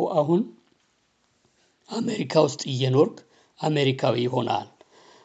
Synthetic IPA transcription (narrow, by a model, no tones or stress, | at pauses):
wʔaɦun | ameɾikʰawʊst̪ʼɪjːɛnoɾɡ | ʔameɾikʰawiho̞nʔa̰l